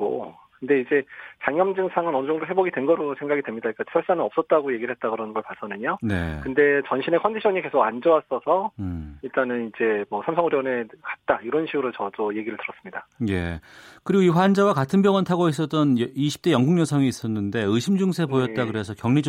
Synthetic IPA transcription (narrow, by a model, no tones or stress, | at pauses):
o̰ | kɯnde̞id͡ʑe̞t͡ɕaŋjʌmd͡ʑɯŋsʰaŋɯnʌnɯd͡ʑŋdoɦe̞boɡidwenɡʌɾosʰe̞ŋɡaɡidwe̞mɲidaik͈at͡ɕʰi̥sʰaɭs͈anɯnʌp̚s͈ʌt̚t͈aɡoje̞ɡiɾɭɦe̞t̚t͈akɯɾʌnɡʌɭpas͈ʰʌnɯɲone̞̰kɯnde̞t͡ɕʌnɕʰine̞kʰʌndiɕʰʌɲike̞sʰoɡand͡ʑʌwas͈ʌsʰʌiɭt͈anɯnid͡ʑe̞mʌsʰamsʰʌŋuɾjʌnekḁt̚t͈aiɾʌnɕʰiɡɯɾot͡ɕʌdoje̞ɡiɾɯɭtɯɾʌs͈ɯmɲidaje̞̰kɯɾiɡoiɸwand͡ʑawakatʰɯnbjʌŋʌntʰaɡois͈ʌt͈̚ʌnjiɕʰi̥p̚t͈e̞jʌŋɡuŋjʌnsʰʌŋiːs͈ʌnːɯnde̞ɯɕʰimd͡ʑuŋsʰe̞bpojʌt̚t͈akɯɾe̞sʰʌkjʌŋɲid͡ʑ